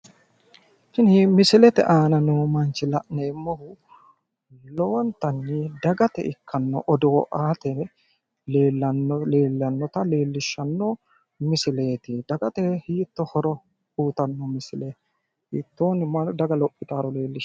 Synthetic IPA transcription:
kɪnimɪsɪlɛt̪ɛ̰ʔaːnɐnumɐnt͡ʃɪlɐʔneːmːɔhʊ | lɔwɔnt̪ɐnːɪd̪ɐɡɐt̪ɛ̰ʔɪkːɐnːɔ̰ʔɔd̪oːʔaːt̪ɛ | leːlːɐnɔeːlːɐnːɔt̪ɐle̞ːlːɪʃːɐnːo | mɪsɪle̞ːt̪ɪd̪̥ɐɡɐt̪ɛhiːt̪ːɔhɔɾɔ | uːt̪ɐnːɔmɪsɪlɛ | hiːt̪ːoːnɪmɐnd̪ɐɡɐlɔpʼːɪt̪aːɾɔle̞ːlːɪʃ

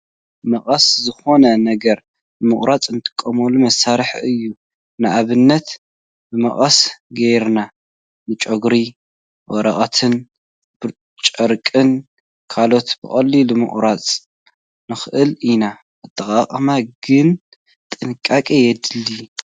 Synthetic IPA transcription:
mɐχʼɐszɨxo̞nɐnɐɡɐɾ | bɨmɨχʼɾat͡sʼɨnt̪ʰɨ̥kʼːɐmolumɐsaɾɨħɨjːu | nɨʔaβɨnːɐt̪ | bɨmɐχʼɐsɡejɾna | nɨt͡ʃʼoɡɾi | wɔɾɐχʼɐt̪ʰɨn | b̥ɨ | t͡ʃʼɐɾkʼɨn | kʰalo̞t̪bɨχʼɐlːilumɨ̰χʼɾat͡sʼ | nɨxɨʔɨlina | ʔɨt̪ʰʼːɐqʼaχʼmaɡɨn | t̪ʼɨnkʼakʼijɛd̪ɨlːi

